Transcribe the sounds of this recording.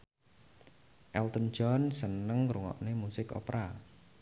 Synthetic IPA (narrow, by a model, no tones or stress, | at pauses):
ʔɛlt̪ən̥d͡ʒɔnsənəŋɾuŋɔ̰ʔnemusɪkɔ̰pɾa